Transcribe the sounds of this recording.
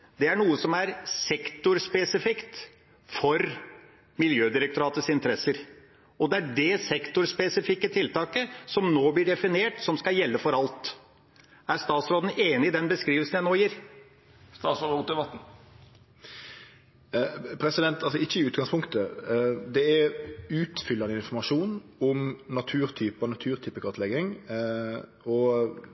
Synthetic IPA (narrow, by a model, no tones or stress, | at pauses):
d̪ɛæɳuːəsɔmæɾsɛkt̪ʊɾspɛsɪfɪkt̪ | fɔɾ | mɪljøːd̪ɪɾək̚t̪ʊɾɑːt̪əsɪnt̪əɾɛsəɾ | ɔd̪ɛæɖɛsɛkt̪ʊɾspɛsɪfɪkːət̪ʰɪlt̪ɑːkəsɔmnoːblɪɖɛfɪneːʈsɔmskɑjɛlːəfɔɾɑlt̪ | æɾst̪ɑːt̪sɾoːd̪n̩eːnɪɪd̪ɛnbəskɾiːʋəlsən̩jæɪnoːjiɾ | st̪ɑːsɾd̪əʋɑt̪n̩ | pʰɾɛsɪd̪ɛnt̪ɑlsɔɪçːəɪʉːt̪ɡɑŋspʰʊŋkt̪əd̪ɛɛʉːt̪fʏlːɑnəɪnfɔɾmɑʂuːnɔmnɑt̪ʰʉːɾt̪ʰyːpɔnɑt̪ʰʉːɾt̪ʰyːpəkʰɑt̪lɛɡɪŋ | ɔ